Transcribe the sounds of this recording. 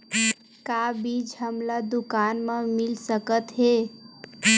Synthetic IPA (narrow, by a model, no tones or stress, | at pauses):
kabid͡ʒɦəmlad̪ʊkanmãmɪlsəkət̪ɦe